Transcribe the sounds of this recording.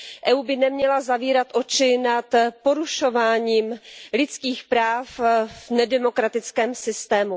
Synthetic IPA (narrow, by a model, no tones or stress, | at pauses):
ʔɛuːbɪnɛmɲɛlazaviːɾat̪ʔo̞t͡ʃɪnat̪po̞ɾuʃo̞vaːɲiːmlɪt͡skiːxpɾaːfvnɛdɛmo̞kɾat̪ɪt͡skɛːmsɪst̪ɛːmu